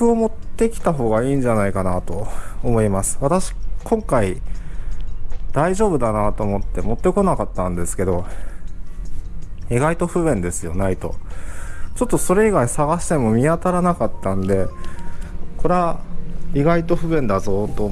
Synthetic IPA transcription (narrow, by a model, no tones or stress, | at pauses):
ɯ̟o̞mo̞t̪ːe̞kʲi̥t̪aɦo̞ːɡaiːɲ̟d͡ʑanaikanat̪o̞ːmo̞imasɨ̥βat̪aɕi̥kõ̞ŋkai | d̪̥aiʑo̞ːbɯ̟d̪anat̪o̞ːmo̞t̪ːe̞mo̞t̪ːe̞ko̞nakat̪ːãnd̪e̞sɨ̥ke̞d̪o̞ | iɡait̪o̞ɸɯ̟bẽ̞nd̪e̞sɨjo̞̰nait̪o̞̰ | t͡ɕo̞t̪ːo̞so̞ɾe̞iɡaisaɡaɕi̥t̪e̞mo̞mʲiat̪aɾanakat̪ːãnd̪e̞ | ko̞ɾeaiɡait̪o̞ɸɯ̟βẽ̞nd̪azo̞ːt̪o